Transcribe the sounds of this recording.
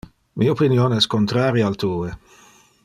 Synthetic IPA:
mʔiopinjonɛskont̪ɾaːɾjaalt̪uːe

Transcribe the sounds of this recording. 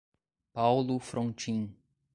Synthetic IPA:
pawlʊfɾʔõnt͡ʃĩ

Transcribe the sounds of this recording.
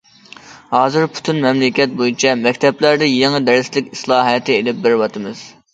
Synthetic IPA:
hɑːzɨɾpʰu̥t̪ʰynmɛmlɪkʲɛt̪̚bojit͡ʃʰɛmɛkʲt̪ʰɛplæɾd̪ɪjeŋɨd̪ɛɾɪslɪkʲislˠɑːɦɛt̪ʰɪelɪp̚bɪɾwɑt̪ʰɨmɨz̥

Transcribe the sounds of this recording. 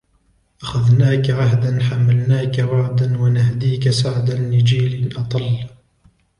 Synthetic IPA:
ʔaxaðnaːkaʕaɦd̪anħamːalnaːkaɾɑʕd̪anwanahd̪iːkasaʕd̪anːɪd͡ʒiːlɪnʔɑt̪ˤɑlː

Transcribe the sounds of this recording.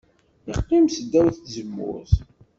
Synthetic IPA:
iqːimsd̪ːæwθθzəmːʊ̰θ

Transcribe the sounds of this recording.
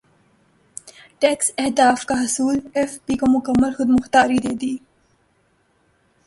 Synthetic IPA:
ʈeːksehd̪aːfkaɦʊsuːlefpiːkomʊkəmːəlxʊd̪mʊxt̪aːɾid̪eːd̪iː

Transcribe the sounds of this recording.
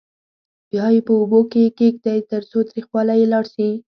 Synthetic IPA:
bjɑjepəobokekekd̪ajt̪əɾsot̪ɾixwɑlajelɑɽʃi

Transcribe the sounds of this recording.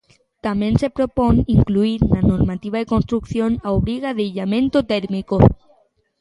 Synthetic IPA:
t̪amjẽnsepɾoponiŋkluiɾnanoɾmat̪iβ̞aðekonst̪ɾukθjonaoβɾiɣaðeiʎamẽnt̪ot̪eɾmiko

